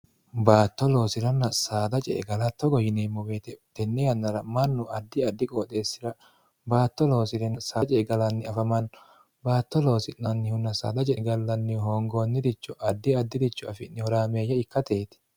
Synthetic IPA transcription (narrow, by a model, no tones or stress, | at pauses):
baːt̪ːɔlo̞ːsɪɾɐnːɐsaːd̪ɐt͡ʃʼɛ̰ɡɐlɐt̪ːɔɡɔjɪneːmːɔweːt̪ɛt̪ɛnːɛjɐnːɐɾɐmɐnːʊʔɐd̪ːɪɐd̪ːɪkʼoːt̪ʼe̞ːsːɪɾɐ | baːt̪ːɔlo̞ːsɪɾɛnsaːt͡ʃʼɛɡɐlɐnːɪɐfɐmɐn | baːt̪ːɔlo̞ːsɪnːɐnːɪhʊnːɐsa̰ːd̪ɐt͡ʃʼɛɡɐlːɐnːɪhoːŋɡoːnːɪd̪ɪt͡ʃːɔʔɐd̪ːɪɐd̪ːɪd̪ɪt͡ʃːɔɐfɪnːɪhɔɾaːmeːjɐɪkːɐt̪eːt̪ɛ̥